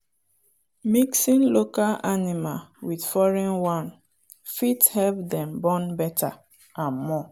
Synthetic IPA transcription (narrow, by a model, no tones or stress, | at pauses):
miksĩnlokalʔanimalwidfɔɹɛ̃nwãn | fithɛlvdɛ̃mbɔ̃nbɛta̰ | ãnmɔ